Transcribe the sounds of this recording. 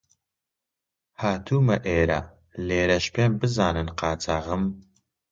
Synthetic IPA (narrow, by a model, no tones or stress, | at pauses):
haːt̪ʰuːmɐʔeːɾɐ̰ | leːɾɐʃpʰeːnbɨzaːnɨnqɑːt͡sʰaːʁɨm